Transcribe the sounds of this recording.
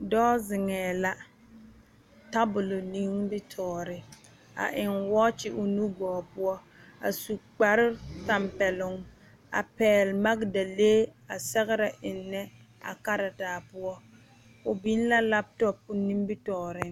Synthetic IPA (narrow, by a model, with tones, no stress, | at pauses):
dɔː˦zɪ˨ŋɛː˨la˦ | ta˦bʊ˨lo˨ni˦ŋbɪ˦tʰɔː˨ɾɪ˨ | a̰˨ʔɪ˨ŋwɔ˦t͡ʃɪ˦ʔʊ˨nu˦ɡɔː˨pʊ˦ɔ˦ | a̰˨su˨k͡pa˨ɾɪ˦ta˨mpɛ˨lʊ˨ŋ | a̰˨pɛː˨lma˦ɡda˨leː˦a˨sɛ˦ɣɪ˦ɾa˨ʔɪ˨nːɛ˦ | a̰˨ka˦ɾa˨taː˨pʊ˦ɔ˦ | ʊ˨bi˦n˦la˦la˦b̚tɔ˦pʊ˦ni˦mbɪ˦tɔː˨ɾɪ˦